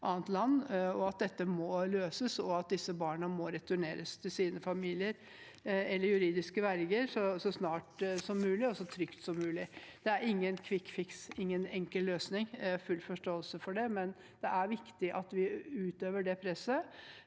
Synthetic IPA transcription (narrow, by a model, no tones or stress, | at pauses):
ʔɑːnt̪lɑnːɔɑt̪̚d̪ɛt̪ːəmɔløːsəsɔɑt̪̚d̪ɪsːəbɑːɳəmɔɾɛt̪ʉɳeːɾəst̪ʰɪlsiːnəfɑmiːlɪəɾ | ɛlːəɾjʉɾiːd̪ɪskəʋæɾɡəɾsɔsɔsnɑːʈsɔmːʉːlɪɔsɔt̪ʰɾʏkt̪sɔmːʉːlɪd̪̥ɛæɾɪŋːənkʰʋɪkːfɪksɪŋːənɛŋkəlløːsnɪŋfʉlːfɔʂʈoːəlsəfɔɖɛmɛn | d̪̥ɛʔæɾʋɪkt̪ɪʔɑt̪ʋɪʉːt̪øːʋəɖɛpʰɾɛsːə